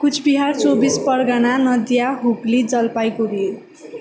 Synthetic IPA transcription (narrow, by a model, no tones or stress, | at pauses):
kut͡sʰbiɦart͡sobispʌrɡananʌd̪jaɦukled͡zʌlpajkodi